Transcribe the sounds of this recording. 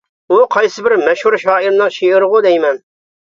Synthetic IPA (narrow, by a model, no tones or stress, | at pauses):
uqʰɑjsɨbɪɾmɛʃhuɾʃɑːɪɾnɨŋʃeɪɾʁʊd̪ɛjmɛn